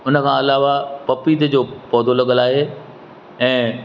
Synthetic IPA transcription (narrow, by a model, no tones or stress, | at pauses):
ʊnəkʰãːɐlaːʋapɐpiːd̪əd͡ʑoːpɔːd̪ʱolɐɠəlaːɦeː | ɛ̃ː